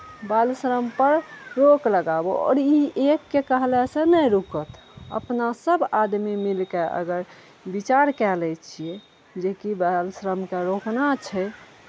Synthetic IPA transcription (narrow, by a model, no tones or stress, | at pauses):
balsɾəmpəɾɾokləɡaboɔ̰ːɾiekːekəɦlɛsə̃nəjɾukət̪ | ə̰pnasəbad̪mimilkeʔə̰ɡəɾ | bit͡ʃaɾkɛlɛt͡ʃʰie | d͡ʒekibalsɾəmkeɾoknat͡ʃʰɛ